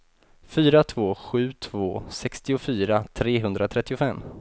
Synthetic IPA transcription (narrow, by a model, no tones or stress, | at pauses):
fyːɾat̪ʰvoːɧʉ̟ːt̪ʰvoːsɛkst̪ɪʊfyːɾat̪ʰɾeːɦɵnd̪ɾat̪ʰɾɛt̪ːɪʊfɛmː